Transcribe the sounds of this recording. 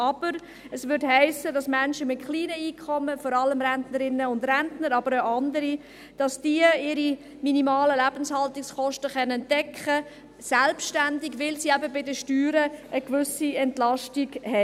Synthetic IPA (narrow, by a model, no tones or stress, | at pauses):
ʔɑb̥əɾ | əsʋʏɾthæɪsədɑsmænʃəmɪtχliːnəiːkʰχɔmːəfɔɾɑləmɾæntnəɾɪnːəʊndɾɛntnəɾɑbəɾaɑndəɾi | d̥ɑsd̥iəɪɾi | minimɑːləlæb̥ənshɑltɪksχɔʃtəχœnəntɛkχə | sælpʃtændiɡʋɪlsiæbəbɪdəʃtyːɾəʔəkʋʏsiɛntlɑʃtiɡhɛ